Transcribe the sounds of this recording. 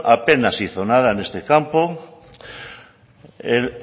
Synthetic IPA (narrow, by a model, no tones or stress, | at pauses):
ʔape̞nasiθonaðane̞st̪ekampo | el